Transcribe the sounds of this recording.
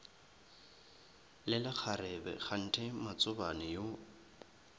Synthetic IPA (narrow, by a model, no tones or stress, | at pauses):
lɪlɪk͡xʰarɛbɛ̰χʰan̩tʰɛmat͡sʼʊbanɪjo